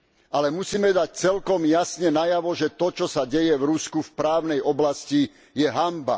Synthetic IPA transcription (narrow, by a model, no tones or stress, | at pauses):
alɛmusiːmɛd̪ac̚t͡sɛlkɔmjasɲɛnajaʋɔʒɛt̪ɔt͡ʃɔsaɟɛjɛvɾuskufpɾaːʊnɛjɔblasci | jɛɦamba̰